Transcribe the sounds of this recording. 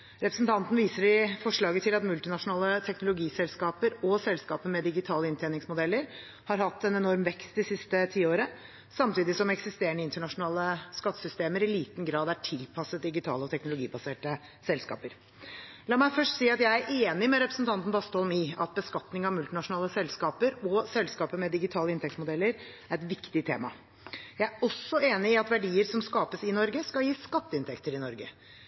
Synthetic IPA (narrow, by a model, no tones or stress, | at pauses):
ɾɛpɾəsn̩t̪ʰɑnt̪n̩ʋiːsəɖɪfɔʂɭɑːɡət̪ʰɪlɑt̪mʉlt̪ɪnɑʂʊnɑːlət̪ʰɛknʊlʊɡiːsɛlskɑːpəɾɔsɛlskɑːpəmɛd̪ɪɡɪt̪ʰɑːləɪnt̪ʰeːnɪŋsmʊd̪ɛlːəɾ | hɑɾhɑt̪ːɛnɛnɔɾmʋɛkst̪̚d̪ɪsɪst̪ət̪ʰiːoːɾə | sɑmt̪iːd̪ɪsɔmɛksɪst̪eːəɳəɪnt̪əɳɑʂʊnɑːləskɑt̪ːə̥sʏst̪eːməɾɪliːt̪nɡɾɑːd̪æʈʰɪlpʰɑsət̪̚d̪ɪɡɪt̪ʰɑ̰ːləɔt̪ʰɛknʊlʊɡḭːbɑseːʈə | sɛlskɑ̰ːpəɾ | lɑːmæɪfœʂʈsiːɑt̪jæɪæɾʔeːnɪmɛɾɛpɾəsnt̪ʰɑnt̪n̩bɑst̪ɔlmiːɑt̪̚bəskɑt̪nɪŋɑʋmʉlt̪ɪnɑʂʊnɑːləsɛlskɑːpəɾɔsɛlskɑːpəmɛd̪ɪɡɪt̪ʰɑːləɪnt̪ɛkt̪smʊd̪ɛlːəɾ | æɾɛt̪ʋɪkt̪ɪt̪ʰḛːmɑ̰ | jæɪæɾɔsːɔeːnɪɪɑt̪ʋæɖiːəɾsɔmskɑːpəsɪnɔɾɡəskɑljiːskɑt̪ːəɪnt̪ʰɛkt̪əɾɪnɔɾɡə